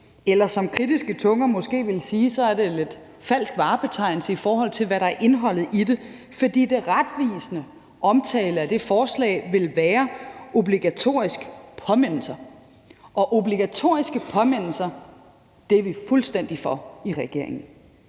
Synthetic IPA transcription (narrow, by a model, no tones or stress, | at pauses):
elɐsɒ̽mkʰʁid̥isɡ̥ət͡sʰɔ̽ŋɐmɔ̽sɡ̥e̝̰ːʋe̝lsiːsɒ̽æɐɾe̝le̝d̥ | fæl̰sɡ̥ʋɑ̈ːb̥e̝t͡sʰɑ̈ɪ̰nl̩səifɒːɦɒ̽l̰t͡sʰe̝lʋæɾɑ̈æɐʔe̝nɦɒ̽l̰ð̞̩ˠʔide̝ | fɒ̽d̥ḭːd̥e̝ʁad̥ʋḭːsənə | ɒ̽mt͡sʰɛ̰ːləæd̥e̝fɒːslɛ̰ːɪʋe̝lʋæːɐʔo̝b̥liɡ̥æt͡sʰo̝̰ːɐisɡ̥əpʰɒ̽men̰l̩sɐ | ʔɒ̽ʔo̝b̥liɡ̥æt͡sʰo̝̰ːɐisɡ̥əpʰɒ̽men̰l̩sɐ | d̥e̝ʋifulsd̥en̰d̥ifɒiʁɛɡ̥e̝̰ɐ̰e̝ŋn̩